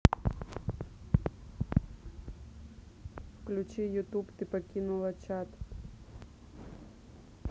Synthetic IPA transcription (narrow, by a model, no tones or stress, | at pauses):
wklʲʊt͡ʃijʊt̪upt̪ɪpɔkʲinʊlˠɐt͡ʃat̪